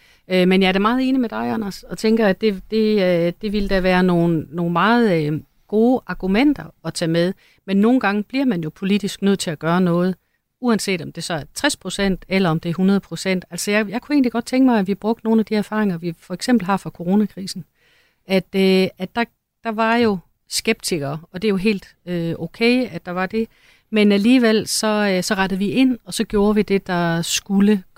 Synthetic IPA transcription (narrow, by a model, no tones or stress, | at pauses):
ømenjɑ̈æɐɾ̥emɑ̈ːð̞ˠe̝ːnimed̥ɑ̈ɪɑnæsɒ̽t͡sʰeŋɡ̥ɐæ̥e̝d̥e̝d̥e̝ʋiləd̥æʋæːɐno̝ːn̩ːo̝ːn̩mɑ̈ːð̞̩ˠ | ɡ̥o̝ːʔɑ̈ɡ̥umen̰d̥ɐɒ̽t͡sʰɛ̰ːmeð̞ˠ | menːo̝ːn̩ɡ̥ɑ̈ŋəb̥liɐmænjo̝pʰo̝lid̥isɡ̥nøð̰ˠt͡sʰe̝læɡ̥ɶːɐnɔ̽ːð̞̩ˠ | uænse̝̰ːd̥ɒ̽md̥e̝sɒ̽æɐt͡sʰʁɛspʰʁo̝sen̰d̥elɐɒ̽md̥e̝æɐɦunɐð̞̩ˠpʰʁo̝sen̰d̥æl̰sɒjɑ̈ɪjɑ̈ɪkʰue̝ːnliɡ̥ɒ̽d̥̚t͡sʰeŋɡ̥mɑ̈ɪæʋib̥ʁɔ̽ɡ̥̚d̥no̝ːn̩æd̥iæɐfɑ̈ːʁeŋɐʋifɒ̽eɡ̥semb̥l̩ɦɑ̈fɑ̈kʰo̝ʁo̝ːnækʰʁiːsn̩ | æd̥øæ̥ɑ̈ | d̥ɑ̈ʋɑ̈jo̝ | sɡ̥eb̥̚dt͡sʰiɡ̥ɐːɒ̽d̥e̝jo̝ɦe̝̰ːld̥ | øokʰeɪæ̥ɑ̈ʋɑ̈d̥e̝ | menæliːʋel̰sɒ̽øsɒ̽ʁɑɾ̥əð̞̩ˠʋiʔe̝n̰ɒ̽sɒ̽ɡ̥jo̝ːɐʋid̥e̝d̥ɑ̈sɡ̥ulə